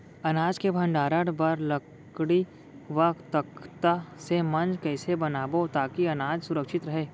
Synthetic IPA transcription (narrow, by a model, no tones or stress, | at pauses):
ɐnaːd͡ʒkebʱɐ̃ɳɖaːɾəɽbɐɾlɐ | ɽi | ʋɐkt̪əkt̪asemɐ̃nd͡ʒkɛːsebɐnaːbot̪aːkiɐnaːd͡ʒsʊɾəkʃɪt̪ɾɐɦeː